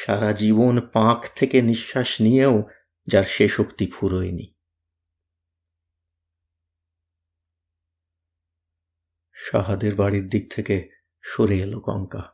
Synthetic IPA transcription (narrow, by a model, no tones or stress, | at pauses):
ʃaɾad͡ʑibonpãkʰt̪ʰekeniʃːaʃnijeo | d͡ʑaɾʃeʃokt̪ipʰuɾoenḭ | ʃa̰ɦad̪eɾbaɽiɾd̪iɡ̚t̪ʰeke | ʃoɾeelokɔ̰ŋka